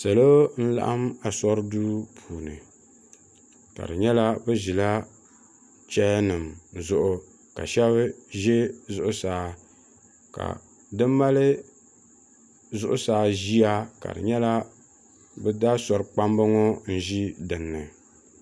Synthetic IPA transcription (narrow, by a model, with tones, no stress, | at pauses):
sa˨lo˦n̩˦la̰˦ʔa˦ma˨sɔ˦ɾduː˦pʰuː˨nɨ̰˨ | ka̰˨dɨ˨ɲɛ˦la˦bɨ˦ʒi˨la˦ | t͡ʃɛ˦nɨ˨mzʊ˦ʔʊ˨ | ka̰˨ʃɛ˦βɨ˦ʒɛ˦zʊ˨ʔʊ˨saː˨˦ | ka̰˨ | dɨ˦mːa˦lɨ˦ | zʊ˦ʔʊ˦saː˨ʒi˦a˦ka̰˨dɨ̰˨ɲɛ˦la˦ | bɨ˦da˦sɔ˨ɾɨ˨k͡pa˦mbɨ˦ŋo˦n̩˦ʒi˦dɨ˨nːɨ˨